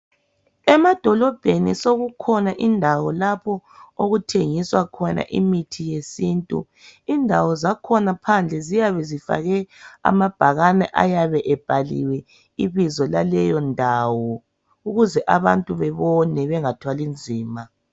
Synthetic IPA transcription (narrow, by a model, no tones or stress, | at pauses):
ɛmad̥ʱɔlɔb̥ʱenisoɣukʰɔnaʔindʱawɔlapʰɔoɣutʰeŋiswakʰɔna̰ʔḭmitʰijesintʼṵ | indʱawɔzakʰɔnapʰand͡ɮʱɛzijaβɛzifa̰ɣɛa̰mab̥ʱaɣanɛʔa̰jaβɛʔɛb̥ʱalḭwɛ | iβizɔlalɛjɔndʱaːwɔ | uɣuzɛʔaβantʼuβɛβɔnɛβɛŋatʰwalind͡zʱiːma